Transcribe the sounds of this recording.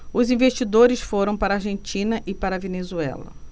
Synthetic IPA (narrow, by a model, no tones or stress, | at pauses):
ʊzĩveʃt͡ʃid̪oɾɪsfoɾɐ̃w̃paɾɐaɾʒẽnt͡ʃĩnɐʔɪpaɾɐvenezuɛ̰lɐ̰